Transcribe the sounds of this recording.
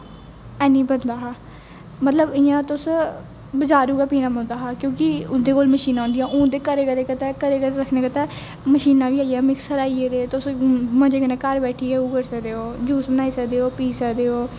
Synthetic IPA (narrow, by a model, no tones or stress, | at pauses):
ɛːniːbənd̪aːɦaː | mət̪ləbɪjãːt̪ʊs | bəd͡ʒaːɾuːɡaːpiːnaːbənd̪aːɦaːkjõːkɪʊd̪eːkoːlməʃiːnaːɦʊ̃ːnd̪ijãːʔũːd̪eːkəɾeːkəɾeːkət̪ɛːkəɾeːkəɾeɾəkʰnẽːkət̪ɛː | məʃiːnãːʋiːaːijaːmɪksəɾaːieːɾeːt̪ʊsmə̃d͡ʒeːkənẽːkəɾbɛːʈʰiːɛːuːkəɾsəkd̪eːoːd͡ʒuːsbənaːiːsəkd̪eːoːpiːsəkd̪eːoː